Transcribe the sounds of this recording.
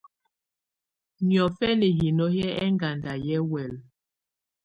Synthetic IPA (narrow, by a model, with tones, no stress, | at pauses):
njɔ˨fɛ˦ne˨ɦi˨nɔ˦jɛ˦ɛ˦ŋɡa˨nda˨jɛ˦wɛ˨l